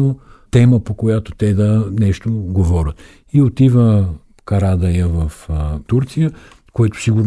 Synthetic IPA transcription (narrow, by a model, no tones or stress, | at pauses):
ot̪ɛməpokojat̪ot̪ɛd̪ɐnɛʃt̪oɡovɔɾʲət̪ | iot̪ivə | kɐɾad̪ɐjəvɐft̪uɾt̪sijə | koɛt̪ʊ̥siɡʊɾn